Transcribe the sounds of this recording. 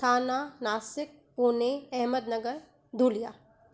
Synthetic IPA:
kʰaːnaːnaːsɪk̚puːneɛɦməd̪nɐɡəɾ | d̪ʱuːlijaː

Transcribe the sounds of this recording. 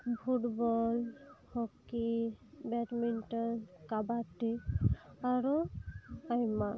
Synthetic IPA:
bʰuʈbɔlhɔkibɛʈminʈɔnkabaʈi | aɾu | ajma

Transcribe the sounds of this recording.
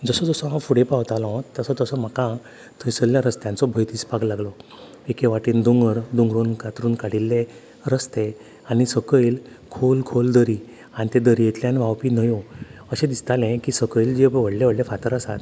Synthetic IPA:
d͡zəsɔd͡zəsɔɦãfuɽepãʋt̪alɔ̃t̪əsɔt̪əsɔm̤əkã | t̪ʰəjsəljaɾəst̪jãnt͡sɔbʱəjt̪iːspaɡlaɡlɔ | ekʰeʋaʈiːnd̪uŋɡəɾd̪uŋɡɾonkat̪ɾuːnkaɽ̤ilːe | ɾəst̪e | anisəkəjl | kʰolkʰold̪əɾi | anit̪ed̪əɾijet̪ljanʋawpiːnəjoəɕẽd̪ist̪alɛ̃kiːsəkəjld͡ʑeʋəɽleʋəɽlefat̪əɾəsat̪

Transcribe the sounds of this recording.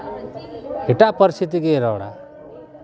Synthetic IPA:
eʈaʔpəɾist̪ʰit̪̬iɡeɾɔwɽa̰

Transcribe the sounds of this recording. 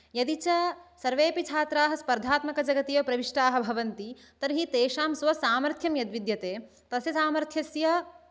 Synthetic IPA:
jɐd̪it͡ʃɐsɐɾʋeːpit͡ʃʰaːt̪ɾaːɦɐspɐɾd̪ʱaːt̪mɐkɐd͡ʒɐɡɐt̪ijopɾɐʋiʂʈaːɦɐ̆bʱɐʋɐnt̪i | t̪ɐɾɦit̪eːʃaːmsʋɐsaːmɐɾt̪ʰjɐmjɐd̪ʋid̪jɐt̪eː | t̪ɐsjɐsaːmɐɾt̪ʰjɐsjɐ

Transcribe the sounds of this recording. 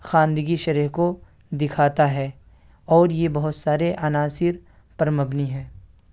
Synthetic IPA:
xãːnd̪əɡiʃɐɾiɦko | d̪ɪkʰaːt̪aɦɛː | ɔːɾjebɐɦʊt̪saːɾeʔɐnaːsɪɾ | pɐɾmɐbniɦɛ̃ː

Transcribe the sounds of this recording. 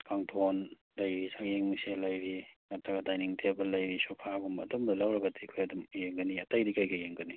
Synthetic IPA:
kʰaŋtʰon | lɐjɾisaeŋmiselɐjɾiŋɐtʰaɡɐdajniŋtʰebɐlɐjɾisopʰaɡumbːdomdɐlɐwɾɐɡɐdikʰojɐdumjeŋɡɐniɐtajdikajɡɐjeŋɡɐni

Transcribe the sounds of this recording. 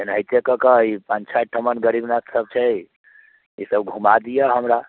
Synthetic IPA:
enəjt̪ekəkəipənt͡ʃʰaʈʰəmənɡəɾibnasəb̚t͡ʃʰɛ | isəbɡʱumad̪ijəɦəmɾa

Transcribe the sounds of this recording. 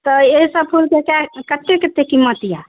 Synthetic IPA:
t̪ɔeɦisəb̚pʰulkekakət̪ːeket̪ːekimət̪ija

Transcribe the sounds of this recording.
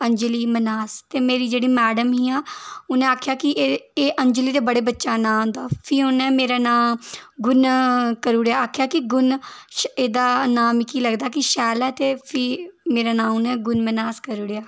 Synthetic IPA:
əɲd͡ʒliːmənaːst̪eːmeːɾiːd͡ʒeːɽiːmɛːɖəmɦĩːaːʊnẽːaːkʰjaːkɪʔeːʔəɲd͡ʒliːd̪eːbəɽeːbətːʃaːnãːd̪aːpʰiːʊnɛ̃ːmeːɾaːnãːɡʊnkəɾuːɽjaːaːkʰjaːkɪɡʊnʃeːd̪aːnaːmɪkiːləɡd̪aːkɪʃɛːlɛːt̪eːpʰɪːmeːɾaːnãːʊnɛ̃ːɡʊnmənaːskəɾuːɽejaː

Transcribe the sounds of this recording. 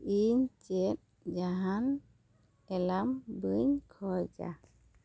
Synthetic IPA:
int͡ɕet̪̚ | d͡ʒaɦan | ɛlambɯɲkʰɔjd͡ʒa̰

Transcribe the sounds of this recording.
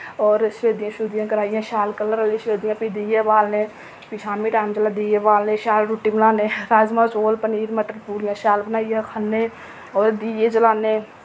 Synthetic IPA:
ɔːɾʃʋeːd̪ijãʃuːd̪ijãkɐɾaːijãʃaːlkələɾəliʃʋeːd̪ijãpid̪ijebaːlne | pit͡ʃʰaːmiʈaːɪmt͡ʃəlad̪ijebaːlneʃaːlɾuʈːibənaːneɾaːzmãt͡ʃoːlpəniːɾməʈəɾpuːɾjãʃaːlbnaːijãkʰənːe | ɔːɾd̪iːjed͡ʒəlaːne

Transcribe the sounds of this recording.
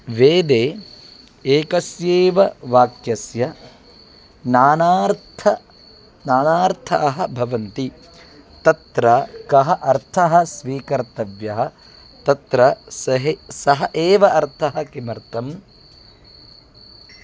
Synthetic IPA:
ʋeːd̪eː | eːkɐsjeːʋɐʋaːkjɐsjɐ | naːnaːɾt̪ʰɐ | naːnaːɾt̪ʰɐ̰ʔɐɦɐ̆bʱɐʋɐnt̪i | t̪ɐt̪ɾɐkɐɦɐʔɐɾt̪ʰɐɦɐ̆sʋiːkɐɾt̪ɐʋjɐɦɐ̆ | t̪ɐt̪ɾɐsɐɦesɐɦɐʔeːʋɐʔɐɾt̪ʰɐɦɐkimɐɾt̪ɐm

